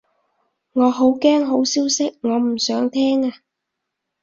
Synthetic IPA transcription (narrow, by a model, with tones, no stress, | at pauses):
ŋɔː˨˧ɦo˨˥wkɛː˥ŋɦo˨˥wsiː˥wsɪ˥k̚ŋɔː˨˧m̩˨˩sœː˨˥ŋt̪ʰɛː˥ŋaː˧